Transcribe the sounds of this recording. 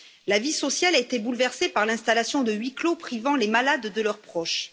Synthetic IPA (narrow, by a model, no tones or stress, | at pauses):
lavisɔsjalaet̪ebulvɛʁsepaʁlɛ̃st̪alasjɔ̃d̪əɥiklopχivɑ̃lemalad̪ːəlœʁpχɔʃ